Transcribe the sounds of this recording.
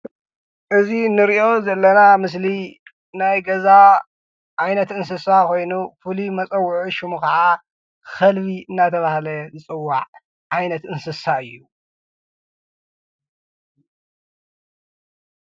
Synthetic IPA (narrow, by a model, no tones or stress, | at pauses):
ʔɨzinɨɾiʔo̞zɐlːɐnamɨs̬li | najɡɐza | ʔajnɐt̪ɨnsɨsako̞jnufɨlimɐt͡sʼɐwːʊʕuʃumukɐʕa | xɐlbiɨnːat̪ʰɐβahlɐzɨt͡sʼɨwːaʕ | ʕajnɐt̪ʔɨnsɨsaɨjːu